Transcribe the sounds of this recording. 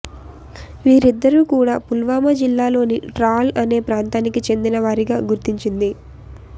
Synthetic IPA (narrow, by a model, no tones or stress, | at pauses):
ʋiːɾid̪ːɐɾuːkuːɽaːpulʋaːmɐd͡ʒilːaːlo̞ːniʈɾaːlɐne̞ːpɾaːnt̪aːnikit͡ʃe̞nd̪inɐʋaːɾiɡaːɡuɾt̪iɲt͡ʃind̪i